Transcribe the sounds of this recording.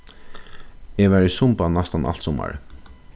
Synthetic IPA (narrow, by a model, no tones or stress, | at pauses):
evɛɾisʊmpanːast̪anʔa̰l̥t̪sɔma̰ɹ̰